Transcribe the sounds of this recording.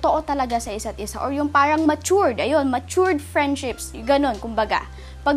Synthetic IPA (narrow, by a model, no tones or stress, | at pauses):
t̪oʔo̞t̪ɐlɐɡasɐʔɪsat̪̚ʔɪsa̰ʔoɹjʊŋpaːɾɐŋmɐt͡ʃuɹd̪ʔɐjo̞nmɐt͡ʃuɹd̪̚fɹɛnd̪ʃɪps | ɡɐno̞nkʊmbɐɡa̰ | pɐɡ